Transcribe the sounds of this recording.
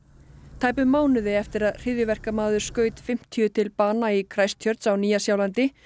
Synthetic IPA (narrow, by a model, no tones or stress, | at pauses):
t̪ʰaːjpʏmːaːwnʏðɪɛft̪ɪɾaðr̥ɪðjʏvɛr̥kamaːðʏɾ̥skœːɥt̪fɪm̥t̪ʰiʏt̪ʰɪlpaːnaikʰɾajst̪ʰjœɾt̪sawniːjasjaːwlant̪ɪ